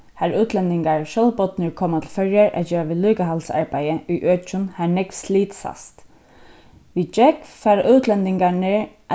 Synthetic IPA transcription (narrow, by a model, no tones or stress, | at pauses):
hæɾʉːt̪ʰlɛnd̪ɪŋɡɑɹʃɔlbɔt̪nəɹkʰɔmːat̪ʰɪlfœɾjəɹʔæ̰d͡ʒøːʋəlyːɡəɦɑlsɑ̰ɹbæɪəʔyːʔøːt͡ʃʊnhæːnɛɡsliːt̪sɑ̰st̪ | ʋiːd͡ʒɛkfɑːɾʔʉːt̪ʰlɛnd̪ɪŋɡɑɳeɹ | ʔ